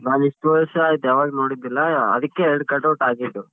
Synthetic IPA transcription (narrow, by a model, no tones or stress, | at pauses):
naːniʂʈʋɐʃɐait̪aːʋaːɡnoːɽid̪ilːɐɐ̰d̪ɐkːeɛɾɖkɐʈːɐʈaːɾɡeʈːu